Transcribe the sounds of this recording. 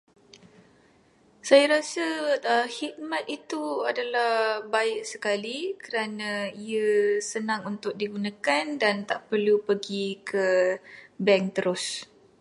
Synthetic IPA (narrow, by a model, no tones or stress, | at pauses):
sajaɾasəəhit̪̚mãt̪̚it̪uadalahbaɪʔsəkalikəɾanãiəsənãŋunt̪ʊk̚diɡunãkandant̪aʔpərlupəɡikʰə | bɛŋt̪əɾʔʊs